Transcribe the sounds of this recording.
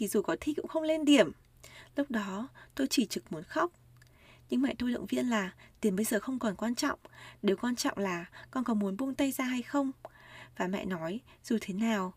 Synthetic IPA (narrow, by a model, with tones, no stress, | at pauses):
t̪ʰi˨˩zu˨˩kɔ˨˦t̪ʰi˧˩kʊ̰˧˥ŋ͡mxə˧wŋ͡mle˧nɗi˨˩əm | lʊ˦˥k͡p̚ɗɔ˨˦t̪o˧jt͡ɕi˧˩t͡ɕɨ˨˩k̚mu˨˦ənxa˦˥wk͡p̚ | ɲɨ˧ŋma̰ː˧˨jt̪o˧jɗə̰˧˨ŋ͡mvi˧ənlaː˨˩t̪i˨˦ə˩mɓə˧jzəː˨˩xə˧wŋ͡mkɔ˨˩nkwaː˧nt͡ɕɔ̰˧˨wŋ͡mɗe˨˦wkwaː˧nt͡ɕɔ̰˧˨ŋ͡mlaː˨˩kɔ˧nkɔ˨˦mu˨˦ənɓu˧ŋt̪a˧jzaː˧ɦa˧jxə˧wŋ͡mvaː˨˩ma̰ː˧˨jnɔ˨˦jz̥u˨˩t̪ʰe˨˦naː˨˩w